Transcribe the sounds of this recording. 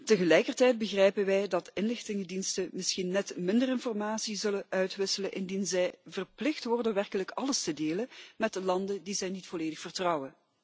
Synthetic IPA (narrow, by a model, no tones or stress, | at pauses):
təɣəlɛjkərtɛjd̚bəɣrɛjpənʋɛjdɑtɪnlɪxtɪŋədinstəmɪsxinːɛtmɪndərɪnfɔrmaːsizɵləʔœɥtʋɪsələnʔɪndinzɛjvərplɪxtʋɔrdəʋɛrkələkɑləstədeːləmɛtəlɑndəndizɛjnitfɔleːdəxfərtrɑwə